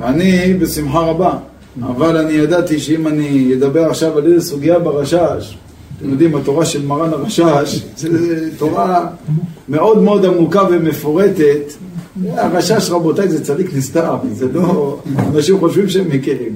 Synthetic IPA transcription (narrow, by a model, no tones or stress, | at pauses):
veanibesimħaʁaba | a̰valanijad̪at̪iʃeimanijed̪abe̞ʁaχʃavaledesuɡijabeʁaʃaʃ | t̪emjod̪imat̪oʁaʃelmaʁanaʁaʃaʃʃezet̪oʁa | me̞o̞d̪meo̞d̪amukavemefoʁet̪et̪ | aʁaʃaʃʁabo̞t̪ajzet͡sad̪iknist̪avzelo̞anaʃimχo̞ʃvimʃeemhekiʁim